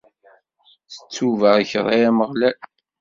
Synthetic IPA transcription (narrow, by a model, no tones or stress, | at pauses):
θə̥t͡sːuvəʁəçəɾˤajæməʁlæl